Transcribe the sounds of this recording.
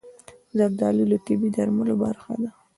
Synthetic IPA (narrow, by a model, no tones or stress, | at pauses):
zabd̪ɑlilat̪ɪbid̪aɾmaloba̰ɾxa̰d̪a